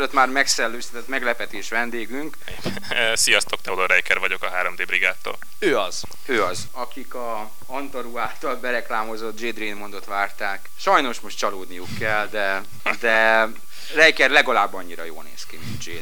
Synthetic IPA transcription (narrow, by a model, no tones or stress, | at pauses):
løt̪maːrmɛksɛlːøːst̪ɛt̪ɛt̪mɛɡlɛpɛt̪eːʃʋɛnd̪eːɡyŋk | eɛ | sijɒst̪okt̪ɛud̪oɾɛjkɛɾvɒɟo̞kɒɦaːɾomd̪eːbɾiɡaːt̪ːo̰ːl | øːɒz̥ | øːɒz | ɒkikɒ | ɒnt̪oɾuaːt̪ɒlbɛɾɛklaːmo̞zo̞t̪̚d͡ʒeːd̪reːnmo̞nd̪o̞t̪ʋaːrt̪aːkʃɒjno̞ʃmo̞ʃt̪t͡ʃɒloːd̪nijukːɛld̪ɛ | d̪ɛ | rɛjkɛrlɛɡɒlaːbːɒɲːiɾɒ̰jo̰ːlnḛːskimḭnd̪d͡ʒeː